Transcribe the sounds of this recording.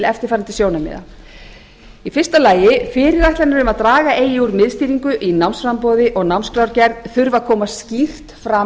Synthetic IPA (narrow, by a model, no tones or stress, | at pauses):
lɛft̪ɪɾ̥faːɾant̪ɪsjownamɪ̰ːða̰ | ifɪrst̪alaːjɪfɪːɾɪɾajht̪laɾnɪɾʏmaðt̪ɾaːɣaʔeːjɪuɾmɪðst̪iːɾiŋkʏʔinawnsfɾampɔːðɪʔɔɣnawnskɾawɾcɛɾðθʏɾvaðkʰɔːmascir̥t̪fɾa